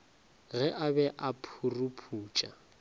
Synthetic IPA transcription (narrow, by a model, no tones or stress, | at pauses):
ɣɛʔabɛʔapʰurupʰuːt͡ʃʼa